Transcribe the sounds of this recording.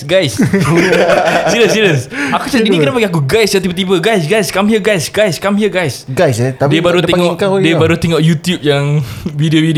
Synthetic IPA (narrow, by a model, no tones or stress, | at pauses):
ɡajs | siləsiləsakut͡ʃainĩkənapaɡiak̬uɡajsjat̪ibət̪ibəɡajsɡajskamiəɡajsɡajskamiəɡajsɡajsɛt̪adiəbaɾut̪eŋɔadiəbaɾut̪eŋɔʔjut̪jup̚jaŋvidiovidi